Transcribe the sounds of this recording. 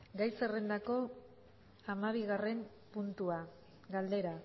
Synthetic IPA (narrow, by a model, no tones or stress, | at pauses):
ɡajsere̞nd̪ako̞ | amaβ̞iɣ̞are̞m | punt̪ua | ɡald̪e̞ɾa